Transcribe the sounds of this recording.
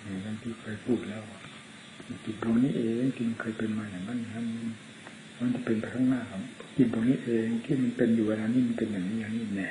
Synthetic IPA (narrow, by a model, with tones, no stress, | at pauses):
nɛː˧˩ka˧ŋt̪ʰiː˧˩kʰɤː˧jpʰuː˧˩t̪̚lɛː˦˧˩wka˧˩ | a˧˩ki˨˩t̪̚bu˧əŋniː˧˩ʔeː˨ŋt̪ʰiː˧ma˧nkʰɤː˧jpe˧nmaː˧˨ja˨˩ma˧˥˨ni˧ha˧˥˨ni˧˥˨n | ma˧˥˨nt͡ɕa˧˩pe˨npa˧jk̪ʰa˧˥˧ŋnaː˧˥˨kɔ˧˨mki˨˩t̪̚bu˧ŋniː˧˥˩ʔeː˨˧ŋt̪ʰiː˧˩˨ma˧˥˨npe˧njuː˨˩wa˧laː˧niː˧˥˩ma˧˥npe˨nja˨˩ŋniː˧˥ja˨ŋniː˧˥˩nɛ˧˨